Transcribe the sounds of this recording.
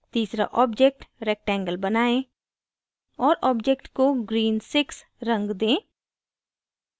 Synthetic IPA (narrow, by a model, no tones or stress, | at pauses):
t̪iːsɾa̰ʔɔːb̚d͡ʒek̚ʈɾɛːk̚ʈɛ̃ːŋɡəlbɐnaːẽ | ɔːɾɔːbd͡ʒeːkʈkoɡɾiːnsɪks | ɾɐ̃ŋɡd̪ẽː